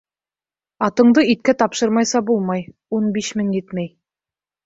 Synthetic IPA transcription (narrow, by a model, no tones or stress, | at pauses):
ɑt̪ɤ̆ɴd̪ɤit̪̚kæt̪ɑpʃɤɾmɑjsɑbulˠmɑjunbiʃmɘŋjɘt̪mæj